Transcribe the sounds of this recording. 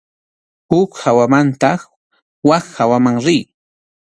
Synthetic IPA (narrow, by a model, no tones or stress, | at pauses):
hʊkhawamant̪ɑχ | waχhawamaŋɾɪj